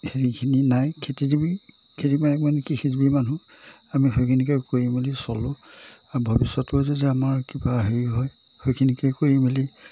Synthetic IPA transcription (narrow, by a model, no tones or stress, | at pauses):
heɹikʰininajkʰetizibi | kʰetimanɛkmanekixʰizibimanu | amiɦojkʰinikɛkoɹimilisɔlʊaɹubʱɔbisɔtʊzezɛamaɹkibaɦeɹiɦɔj | hojkʰinikɛjkoɹimili